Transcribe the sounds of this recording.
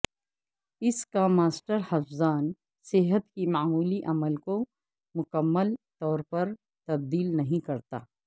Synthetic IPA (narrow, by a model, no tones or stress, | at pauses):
ɪskamaːsʈəɾhɐfzaːn | sɪɦət̪kimaːmuːliʔɐməlko | mʊkəmːəlt̪ɔːɾpɐɾ | t̪ɐb̚d̪iːlnɐɦĩkɐɾt̪a̰ː